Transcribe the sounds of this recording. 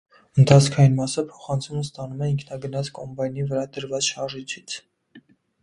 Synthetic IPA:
ənt̪ʰɑt͡sʰkʰɑjinmɑsəpʰɔ̥χɑnt͡sʰuməst̪ɑnumɛiŋkʰnɑɡənɑt͡skɔmbɑjnivəɾɑd̪əɾvɑt͡sʃɑɾʒit͡sʰit͡sʰ

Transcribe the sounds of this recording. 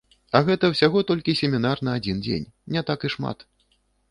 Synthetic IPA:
ɐɣɛt̪ɐwsʲaɣɔt̪ɔlʲkʲisʲemʲinarnɐːd͡zʲind͡zʲḛnʲnʲɛt̪akɨʂma̰t̪

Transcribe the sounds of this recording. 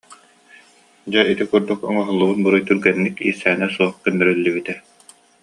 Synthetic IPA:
d͡ʑɔit̪ikuɾd̪ukɔ̰ŋɔɦɯlˠːuβunbuɾujt̪yɾɡɛnːikḭːsæːnɛsuɔχkœnːɛɾœlːiβit̪ɛ

